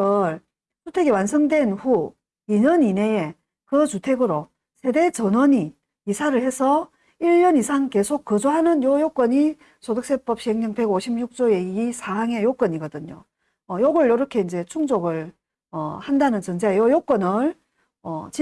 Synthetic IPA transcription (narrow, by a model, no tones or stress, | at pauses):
ʌɾ | t͡ɕutʰe̞ɡiwansʰʌŋdwe̞nɸu | iɲʌnine̞e | kɯt͡ɕutʰe̞ɡɯɾo | sʰe̞de̞t͡ɕʌnwʌɲi | isʰaɾɯɭhe̞sʰʌ | iʎːʌnisʰaŋke̞sʰokk͈ːɯd͡ʑoɦanɯnjojok͈ʌɲi | sʰodɯks͈ep͈ʌp̚ɕ͈iɦeŋɲʌŋpe̞ɡoɕʰimjuk̚t͡ɕ͈oe̞isʰaɦaŋe̞jok͈ʌɲiɡʌdɯɲo | ʌjoɡɯɭjʌɾʌkʰe̞ind͡ʑe̞t͡ɕʰuŋd͡ʑoɡɯɭ | ʌhandanɯnt͡ɕʌnd͡ʑeajojok͈ʌnɯɭ | ʌt͡ɕi